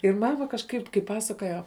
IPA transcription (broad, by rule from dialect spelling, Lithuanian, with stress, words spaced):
ɪr ˈmɑːmɐ kɐʃˈkɐɪp kɐɪ ˈpɑːsɐkoːjɛ